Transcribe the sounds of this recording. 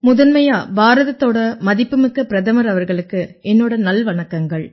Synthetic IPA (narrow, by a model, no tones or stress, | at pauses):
mʊðɐnmɐjaːbaːɾɐðɐt̪ːoːɽɐmɐðɪpːɯmɯkːɐpːɪɾɐðɐmɐɾɐʋɐɾɣɐɭɯkːɯɛnːoːɽɐnɐlʋɐnɐkːɐŋɡɐɭ